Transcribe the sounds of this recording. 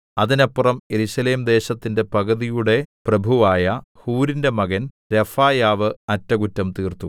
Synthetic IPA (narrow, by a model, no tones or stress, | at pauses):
ɐðinɐpːurɐmjeɾuɕɐle̞ːmd̪e̞ːɕɐt̪ːinde̞pɐɣɐðijuɽe̞prɐbʱuʋaːjɐhuːɾindemɐɣɐn | ɾefaːjaːʋɨɐtːɐɡutːɐmt̪iːrt̪u